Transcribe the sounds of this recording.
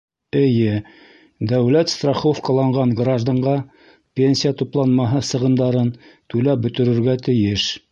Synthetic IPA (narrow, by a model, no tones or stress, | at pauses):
ɘ̆jɘ | d̪æwlæt̪st̪raχofkɑlˠɑɴɢɑɴɡraʒd̪ɑɴʁɑ | pʲenʲsʲijat̪uplˠɑnmɑɦɤsɤ̆ʁɤ̆nd̪ɑɾɤnt̪ʉlæp̚bɵ̆t̪ɵ̆ɾɵ̆ɾɡæt̪ɘ̆jɘʃ